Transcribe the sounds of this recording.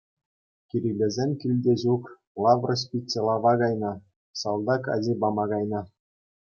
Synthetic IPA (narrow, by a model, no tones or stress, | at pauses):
kʲiɾʲilʲezʲemʲkʲilʲdʲeʑuk | lˠɑvrɤ̆sʲpʲitʲːelˠɑʋɑɡɑjnɑ | sɑlˠd̪ɑkɑ̰dʲebɑmɑɡɑjnɑ